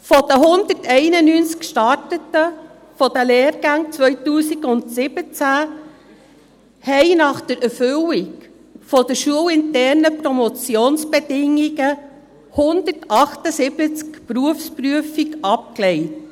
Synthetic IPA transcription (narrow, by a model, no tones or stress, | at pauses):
fɔd̥̪əɦʊnd̪ətɛɪnənyːnt͡skʃtɑɾtətə | fɔd̥əleːɾɡ̥æŋt͡sʋœʏtuːsikʊndsɪb̥ət͡sæ | hɛɪnɑχd̥əɾɛɾfʏwiɡ | fɔd̥əʃuəwɪntɛɾnəpɾɔmɔt͡sjoːnsb̥edɪŋiɡə | hʊnd̪ətɑχtəsɪbət͡skpɾuəfspɾyəfikɑp̚klɛɪt